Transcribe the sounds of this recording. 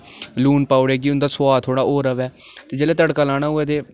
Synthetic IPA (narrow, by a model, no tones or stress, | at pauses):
luːnpaːʊɽeːɡiːʊnd̪aːsʊaːt̪ʰoːɽaːʔoːɾəʋɛːt̪eːd͡ʒeːleːt̪əɽkaːlaːɽ̃aːɦʊɛːt̪eː